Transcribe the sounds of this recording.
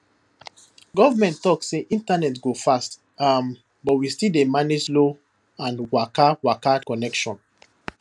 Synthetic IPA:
ɡɔvamɛ̃nttɔkssːeʔĩntanɛtɡofast | am | bɔtwistidemaneslo | ãnwakawakakɔnɛkʃɔ̃n

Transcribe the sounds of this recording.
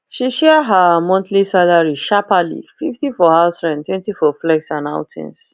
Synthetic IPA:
ʃiʃɛɦamɔ̃nθʰlisalaɹiʃapalḭfiftifɔhaʊsɹɛ̃ntwɛ̃ntifɔflɛksãna̰ʊtʰɛ̰̃ns

